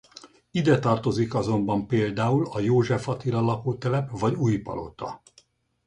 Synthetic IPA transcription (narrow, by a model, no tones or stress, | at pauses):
id̪ɛt̪ɒrt̪o̞zikɒzo̞mbɒmpeːld̪aːulɒjoːʒɛfɒt̪ilɒlɒkoːt̪ɛlɛpvɒɟuːjpɒ̰lo̞̰t̪ɒ